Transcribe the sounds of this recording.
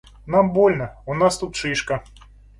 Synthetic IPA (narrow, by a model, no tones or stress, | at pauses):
nambolʲnɐunast̪ut̪̚ʂɨʂkɐ